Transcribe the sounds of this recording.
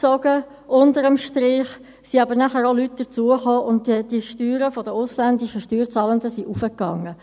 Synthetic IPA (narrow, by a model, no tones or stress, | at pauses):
t͡sɔɡ̥ə | ʔʊntəɾəmʃtɾɪːχ | siɑbəɾnæχəɾolytd̥ət͡suəχoːʔʊntd̥iʃtyːɾəfɔdəʊslændiʃəʃtyːrt͡sɑːləndəsiʔufəkːɑŋːə